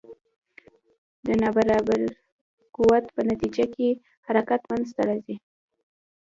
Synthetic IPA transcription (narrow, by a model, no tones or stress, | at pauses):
d̪ənɑbaɾɑbaɾ | kuwat̪pənat̪id͡ʒake | haɾakat̪mand̪zt̪aɾɑzi